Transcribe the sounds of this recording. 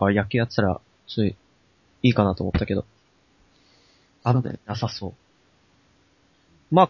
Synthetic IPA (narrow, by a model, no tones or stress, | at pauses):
kajak̬ʲiːjat͡sːɨ̥t̪aɾa̰ | so | iːkanat̪oːmot̪ːake̞d̪o̞ | a̰asaso̞ː | maː